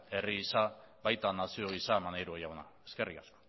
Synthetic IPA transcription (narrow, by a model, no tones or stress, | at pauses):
e̞riɣisa | βajt̪anasio̞ɣ̞isamanajɾuejawnae̞ske̞rikasko̥